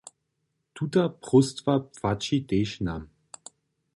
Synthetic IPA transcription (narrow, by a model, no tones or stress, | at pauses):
tʰutɐpʁʊstvapfat͡ʃideːʃna̰m